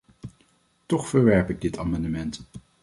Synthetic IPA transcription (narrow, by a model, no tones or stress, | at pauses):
tɔχfəɹʋɛɹpɪɡ̚dɪtaːmɑndəmɛnt